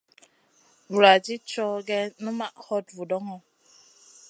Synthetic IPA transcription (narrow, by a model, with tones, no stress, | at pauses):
bu˨ɾa˨d͡ʒi˦t͡ʃɔ˦ɡɛ˦nu˦ma˦˨ʔhɔ˦˨tvu˨dɔ˦ŋɔ˦